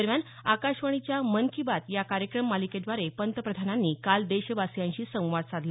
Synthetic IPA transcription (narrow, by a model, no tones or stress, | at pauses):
əɾmjan | akaɕʋəɳ̃it͡ɕjamənkʰibat̪jakaɾjəkɾəmːaliked̪ʋaɾepənt̪əpɾəd̪ʱananːiːkald̪eɕʋasjãɲɕiːsə̃w̃ʋaɽsad̪l